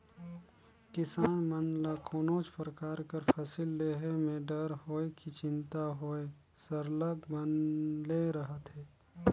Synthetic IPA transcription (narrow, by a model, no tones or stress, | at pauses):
kɪsaːnmənləkʰoːnoːt͡ʃpɾəkaːɾkəɾpʰəsɪlːeːɦemẽɖəɾɦoːekit͡ʃɪ̃nt̪aɦoːe | sɐɾləɡbənleɾɐɦət̪ɦɛː